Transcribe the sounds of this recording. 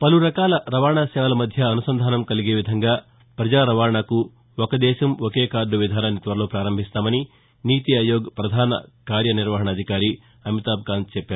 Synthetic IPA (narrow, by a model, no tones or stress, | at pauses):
pɐluɾɐkaːlɐɾɐʋaːɐɳaːsɛːʋɐlɐmɐd̪ʱjɐːnusɐnd̪ʱaːnɐmkɐliɡeːʋid̪ʱɐŋɡaː | pɾɐd͡ʒaːɾɐʋaːɾɐɳɐku | okɐd̪ɛːʃɐmokeːkaːɾɖ̪ɐʋid̪ʱaːnɐnit̪ʋɐɾlo̞ːpɾaːɾɐmbʱist̪aːmɐni | niːt̪iɐjoːɡpɾɐd̪ʱaːnɐ̰kaːɾjɐniɾʋɐɦɐɳɐd̪ʱikaːɾi | ɐmit̪aːb̚ɡaːnd̪t͡ʃɛpːaːɾu